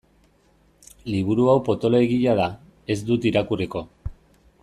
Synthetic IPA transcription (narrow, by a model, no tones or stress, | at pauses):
liβ̞uɾuawpo̞t̪o̞loeɣiʎaða | e̞zd̪ut̪iɾakuriko̞